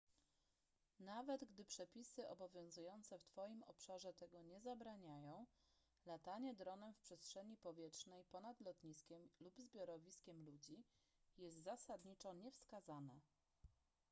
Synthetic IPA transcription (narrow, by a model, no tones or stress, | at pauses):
navɛd̪ɡd̪ɘpʂɛpʲisɘʔɔbɔvʲjɔ̃w̃zujɔnt̪sɛft̪fɔjimɔpʂaʐɛt̪ɛɡɔɲɛzabɾaɲajɔ̃w̃ | lat̪aɲɛd̪ɾɔnɛmfpʂɛstʂɛɲipɔvʲjɛtʂnɛjpɔnad̪lɔt̪ɲiskʲɛmlubzbʲjɔɾɔvʲiskʲɛmlud͡ʑi | jɛst̪zasad̪ɲit͡ʂɔɲɛfskazanɛ